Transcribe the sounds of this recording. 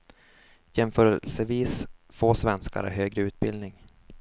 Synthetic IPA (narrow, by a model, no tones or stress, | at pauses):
jɛmfœːɾɛlsəviːsfoːsvɛnska̰ɾæ̰ɦøːɡɾəʉ̟ːt̪̚bɪld̪nɪŋ